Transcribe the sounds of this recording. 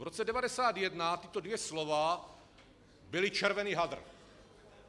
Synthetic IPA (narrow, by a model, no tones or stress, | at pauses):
vɾot͡sɛdɛvadɛsaːt̪jɛdnat̪ɪt̪odvjɛslovaː | bɪlɪt͡ʃɛɾvɛniːɦad̪r̩